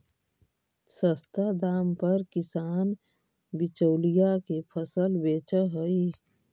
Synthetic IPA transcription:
səst̪ad̪aːmpəɾkɪsaːn | bɪt͡ʃəʊlijakepʰəsəlbeːt͡ʃəɦəi

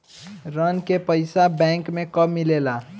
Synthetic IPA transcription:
ɾənkepəɪsabɛ̃ŋkmekəmːilela

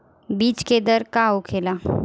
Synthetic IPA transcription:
biːt͡ʃked̪əɾkaokʰela

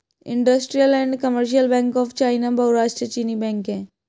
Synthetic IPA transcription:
ḭɳɖəsʈɾijəlɛ̃ɳɖkəməɾʃ̬ijəlbɛ̃ŋkɔft͡ɕajnabəuɾaːʃʈət͡ɕinibɛ̃ŋkɛ̃

